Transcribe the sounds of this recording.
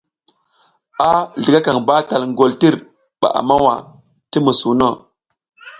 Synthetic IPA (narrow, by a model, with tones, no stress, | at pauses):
a˦ɮi˨ɡa˦ka˨ŋba˦ta˨lŋɡo˨lti˦ɾ | ɓa̰˨ʔa̰˨ma˦wa̰˨ | ti˦mu˨su˨no˦˨